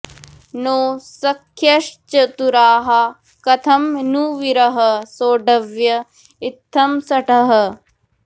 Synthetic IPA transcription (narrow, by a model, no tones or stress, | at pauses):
noːsɐkʰːjɐʃt͡ʃɐt̪uɾaːɦɐ | kɐt̪ʰɐmnuʋiɾɐɦɐsoːɖɐʋjɐ | ɪt̪ʰːɐmsɐʈɐɦɐ̆